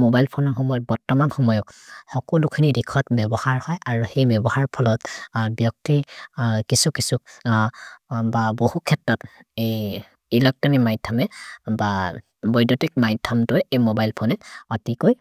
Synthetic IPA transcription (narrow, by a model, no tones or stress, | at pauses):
mobajlpʰɔnɔxɔmɔjɔt̚bɔɹtɔmanxɔmɔjɔkxɔkɔlukʰinidikʰɔtbɛbɔhaɹhɔjʔaɹuhejbɛbɔhaɹpʰɔlɔtbjɔk̚tikisukisuk | babohukʰɛtɹɔtej | ilɔk̚tɔnimajtʰːamɛba | bɔjdɔtik̚majtʰːamtʊjejmobajlpʰonɛɔtikoj